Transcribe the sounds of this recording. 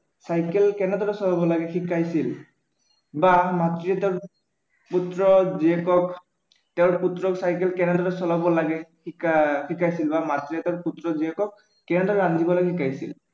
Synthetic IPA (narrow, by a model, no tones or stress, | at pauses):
sajkɛlkɛnɛdɔɹɛsɔlabɔlaɡɛxikajsil | bamatɹiɛtɛʊɹ | putɹɔziɛkɔk | tɛʊ̃ɹputɹɔksajkɛlkɛnɛdɔɹɛsɔlabɔlaɡɛ | ikakikajsilbamatɹijɛtɛʊɹputɹɔziɛkɔkː | ɛnɛdɔɹɛandibɔlaɡɛxikajsil